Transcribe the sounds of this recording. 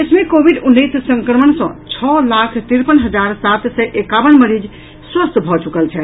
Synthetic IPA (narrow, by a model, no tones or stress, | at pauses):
ət͡ʃʰmekobʱiɖunːessə̃ŋkɾəməɳsə̰̃t͡ʃʰɔlakʰt̪iɾpənɦəd͡ʒaɾsat̪sɛʔekabənməɾid͡ʒ | swəst̪bʱɔt͡ʃukəlt͡ʃʰɛ